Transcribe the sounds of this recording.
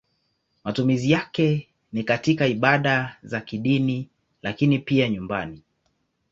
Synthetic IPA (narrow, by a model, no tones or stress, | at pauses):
matumizijakɛ | nikatikaiɓaɗazakiɗini | lakinipiaɲumbani